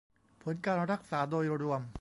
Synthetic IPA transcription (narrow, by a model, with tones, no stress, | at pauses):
pʰo˩˦nkaː˧nɾa˦˥˩k̚saː˩˦doː˧jɾu˧əm